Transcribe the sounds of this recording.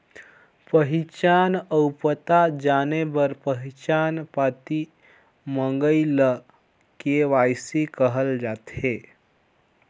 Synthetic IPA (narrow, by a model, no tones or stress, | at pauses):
pəɦit͡ʃanəwpət̪ad͡ʒanebəɾpəɦit͡ʃanpat̪i | mə̃ŋɡəjlə | keʋajsikəɦəld͡ʒat̪e